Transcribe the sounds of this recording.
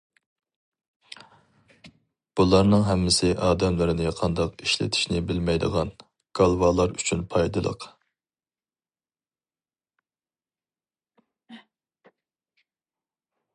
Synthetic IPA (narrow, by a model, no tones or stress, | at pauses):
b̥ulˠɑɾnɨŋɦɛmːɪsɪʔɑːd̪ɛmlɪɾɪnɪqʰɑnd̪ɑqiʃlɪ̰t̪ʰɪ̥ʃnɪbɪlmɛjd̪əʁɑn | ɡ̥ɑlˠvɑlˠɑɾyt͡ʃʰynpʰɑjd̪ɨlˠə̰q